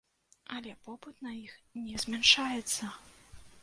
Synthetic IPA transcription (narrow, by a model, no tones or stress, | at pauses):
ɐlʲɛpɔbɨt̪nɐixnʲɛzʲmʲɛnʂajɛt̪sːɐ